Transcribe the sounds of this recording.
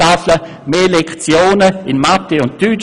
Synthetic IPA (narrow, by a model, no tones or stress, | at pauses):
aflə | meːlɛkt͡sjoːnəɪnmat̪ːeʊnttyt͡ʃ